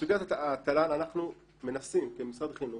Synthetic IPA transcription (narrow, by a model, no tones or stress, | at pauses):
uɡat̪at̪ːalananaχnu | menasimkemusad̪χinu